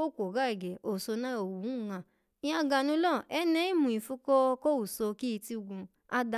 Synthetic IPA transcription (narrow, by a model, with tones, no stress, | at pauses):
o˦˨kʷo˨ɡa˨˦ɛ˨ɡɛ˨o˨so˧nã˦o˨wu˨˦˨ŋã˨ | ĩ˦ã˧ɡa˨nũ˧˦lɔ˦˨ɛ˦nɛ̃˦i˦mũ˨ĩ˨fu˧˦kɔ˦ko˦u˨so˧ki˦i˧ti˧u˧ɡũ˧ | a˦da˧